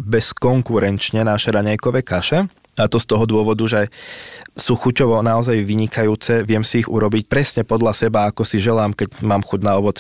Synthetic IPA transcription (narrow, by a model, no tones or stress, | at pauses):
bɛskɔŋkuɾɛnt͡ʃɲɛnaːʃɛɾaɲajkɔʋɛːkaʃɛ | at̪ɔst̪ɔɦɔd̪ʊɔʋɔd̪uʒɛɛ | suːxucɔʋɔnaɔzajʋiɲikʰajuːt͡sɛʋɪɛmsiːɣṵɾɔbicpɾɛsɲɛpɔd̪ʎasɛbaakɔsiʒɛlaːmkɛɟmaːmxuɟnaɔʋɔt͡sɛ